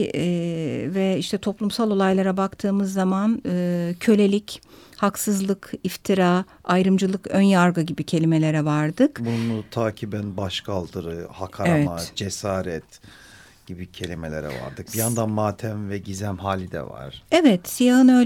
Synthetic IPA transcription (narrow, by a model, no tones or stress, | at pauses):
vɛiʃt̪ʰɛt̪ʰo̞plˠumsalˠo̞lˠajlˠaɾabakt̪ʰɯːmɯzːamanɯːcʰø̞lʲe̞lʲic | haksɯzlˠɯkift̪ʰiɾa | ajɾɯmd͡ʒɯlˠɯkønjaɾɡaɟibicʰe̞lʲime̞lʲeɾɛvaɾd̪ɯkbunnut̪ʰaːcʰibænbaʃkʰalˠd̪ɯɾɯhakʰaɾevɛmatd͡ʒesaːɾɛt̪ | ɟ̥ibicʰe̞lʲimelʲḛɾɛ̰va̰ɾd̪ɯk̚bijand̪anmaːt̪ʰæmvɛɟizæmɦaːlʲid̪ɛ̰va̰ɾ̥ɛvɛt̪sijahɯnø̞